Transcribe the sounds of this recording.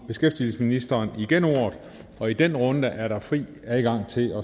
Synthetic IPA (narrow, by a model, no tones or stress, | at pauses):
b̥e̝sɡ̥efd̥il̩səsminisd̥ɐːniɡ̥eno̰ɐðˠ | ɒ̽id̥enʁɔ̽nd̥əʔæɐɾɑ̈fʁḭː | æðˠɡ̥ɑ̈ŋ̰t͡sʰe̝lɒ̽